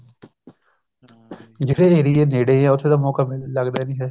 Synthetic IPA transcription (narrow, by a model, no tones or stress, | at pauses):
d͡ʒɪɾeːeɾieːneːɽeːɛ̃ːʊt̪ʰːeːd̪aːmɔːkaːmɪlləɡd̪aːnĩːɦɛː